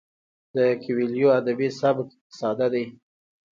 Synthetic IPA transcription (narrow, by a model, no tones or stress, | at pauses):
d̪əkɪwiljoad̪abisabk | sɑd̪ad̪aj